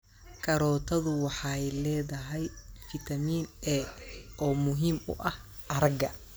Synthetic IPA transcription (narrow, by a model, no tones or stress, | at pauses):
kʰɐɾɔːt̪ʰɐðʊwɑħɑjlɛːðɐɦɛjfɪt̪ʰɐmiːnɛɔːmʊɦiːmʊ̰ʔɐh | ʔɐɾɐɡɐ